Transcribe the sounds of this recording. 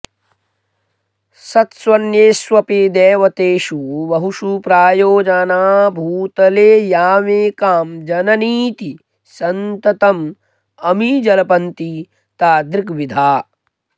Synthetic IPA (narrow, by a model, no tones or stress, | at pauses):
sɐt̪swɐnjeːsʋɐpid̪eːʋɐt̪eːʃubɐɦuʃupɾaːjoːd͡ʒɐnaːbʱuːt̪ɐleːjaːmeːkaːmd͡ʒɐnɐniːt̪i | sɐnt̪ɐt̪ɐm | ɐmid͡ʒɐlɐpɐnt̪i | t̪aːd̪ɾikʋid̪ʱaː